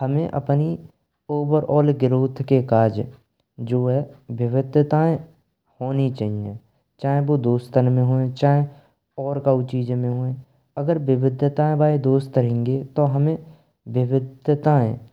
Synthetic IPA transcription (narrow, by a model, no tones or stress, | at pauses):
həmẽʔə̰pni | oːʋəɾɔːlɡɪɾoːt̪ʰkekaːd͡ʒ | d͡ʒoːɦɛʋɪʋɪd̪ʱjət̪aẽ | hoːnit͡ʃaːɦiḛ̃ | t͡ʃaːɦẽbod̪oːst̪ənmẽɦoːẽt͡ʃaːẽ | ɔːɾkaut͡ʃiːd͡ʒmẽɦoːẽ | əɡəɾʋɪʋɪd̪ʱjət̪aːẽbaːid̪oːst̪əɾẽːŋɡet̪oɦəmẽ | ʋɪʋɪd̪ʱjət̪aɛ̰̃ː